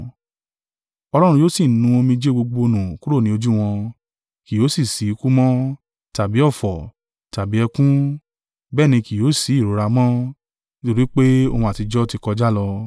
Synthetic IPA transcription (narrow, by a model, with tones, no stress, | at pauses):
ɔ˧lɔ˦ɾ̃ũ˧joː˦si˦˨nũ˧˦o˧mĩ˧d͡ʒe˦ɡ͡bo˧ɡ͡bo˧o˧nũ˨ku˦ɾo˦˨nĩ˦o˧d͡ʒu˦w̃ɔ̃˧ | ki˨jo˨˦si˦˨si˨˦ku˦mɔ̃˦ | ta˨bi˨˦ɔ˦˨fɔ˨ | ta˨bi˨˦ɛ˧kũ˦ | bɛː˦˨nĩ˧ki˨o˨˦si˨˦i˦˨ɾo˨˦ɾa˧mɔ̃˦ | to˧ɾi˦k͡pe˦o˧hũ˧a˨ti˧d͡ʒɔ˦ti˧kɔ˧d͡ʒa˦lɔ˧